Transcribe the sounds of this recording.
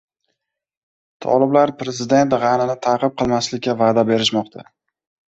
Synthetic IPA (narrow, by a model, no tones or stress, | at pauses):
t̪ʰɒ̰lˠɪblaɾpɾe̞zɪd̪e̞nt̪ʁɑnɪnɪt̪ʰaqɨp̚qʰɨlˠmaslɪkʲʰːavaːd̪abe̞ɾɪʃmɒqt̪ʰa̰